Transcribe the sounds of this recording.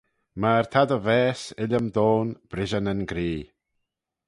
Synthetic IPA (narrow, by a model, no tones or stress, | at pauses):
maɹt̪ʰad̪əvɛːsɪlʲəmd̪oːnb̥ɾɪʒənənɡɾiː